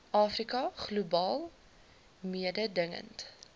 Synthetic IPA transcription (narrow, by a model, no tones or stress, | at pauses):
ʔɑːfrikɐχlubɑːlˠ | miədədəŋə̰nt